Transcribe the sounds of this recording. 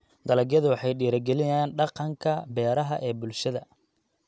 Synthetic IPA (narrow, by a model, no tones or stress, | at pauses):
d̪̥ɐlɐɡjɐðʊwɑħɑjɖiːɾɐɡɛlɪjaːnɖɑqɑŋkʰɐbɛːɾɐɦɐʔɛːbʊlʃɐðɐ